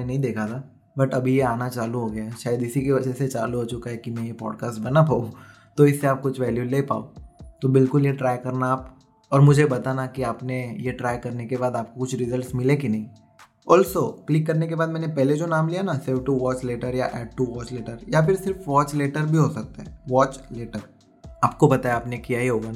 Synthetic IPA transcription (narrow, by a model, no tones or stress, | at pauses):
enɐɦĩd̪eːkʰat̪ʰa | bɐʈɐbʱijeaːnat͡ʃaːluɦoɡɐjaʃaːjəd̪ɪsikeʋɐd͡ʒɛset͡ʃaːluɦot͡ʃʊkaɦɛkimɛ̃jepɔ̰ːɖkaːsʈ̚bɐnapaːũ | t̪oɪsːeaːp̚kʊt͡ʃʰʋɛːljuleːpa̰ːot̪obɪlkʊljeʈɾaːjkɐɾnaːp | ɔːɾmʊd͡ʒʱebɐt̪anakiaːpnejeʈɾaːjkɐɾnekebaːd̪aːp̚kokʊt͡ʃʰɾɪzəlʈsmɪlẽkinɐɦĩ | ɔːlsoklɪkːɐɾnek̬ebaːd̪̚mɛːnepɛɦled͡ʒonaːmlijaɦnasɪɾfʈuʋɔːt͡ʃleːʈəɾja̰ʔɛːɖ̚ʈuʋɔːt͡ʃleːʈəɾjapɪɾsɪɾfʋɔːt͡ʃleːʈəɾbʱiɦosɐk̚t̪aɦɛːʋɔːt͡ʃleːʈəɾ | aːp̚kobɐt̪aeaːpnekijaɦiɦoːɡana